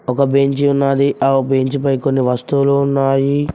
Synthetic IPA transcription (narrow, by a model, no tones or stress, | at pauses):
ɔkɐbeɲt͡ʃiunːaːd̪iʔabeɲt͡ʃipɐjkonːiʋɐst̪uluunːaːji